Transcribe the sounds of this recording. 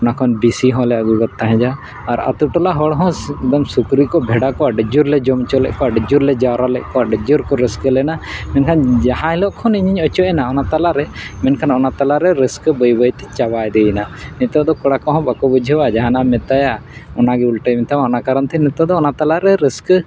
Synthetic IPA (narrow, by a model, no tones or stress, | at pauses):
ɔnakʰɔnbisiɦɔ̃lɛəɡuɡɔt̪ʰːaɦɛ̃d͡ʒaː | ɾa̰t̪uʈɔlaɦɔɽɦɔ̃d̪ɔmsukɾikɔbʱɛɖakɔaɖəd͡ʒuɾlɛd͡ʒɔmt͡ʃɔlɛ̰ʔkɔaɖd͡ʒuɾlɛd͡ʒaɾalɛ̰ʔkɔaɖəd͡ʒuɾkɔɾiskəlɛnamɛnkʰand͡ʒaɦãɛlɔʔkʰɔniɲiɲɔt͡ʃɔʔɛnaɔnat̪alaɾɛmɛnkʰanɔnat̪alaɾɛɾiskbəjbəjt̪ɛ̥t͡ʃabajd̪ɛjnanɛt̪ɔd̪ɔkɔɽakɔɦɔ̃bakɔbud͡ʒʱɛwad͡ʒaɦanamɛt̪ajaɔnaɡɛulʈɛmɛt̪ʰaaɔnakaɾant̪ʰɛnɛt̪ɔd̪ɔːnat̪alaɾɛɾisk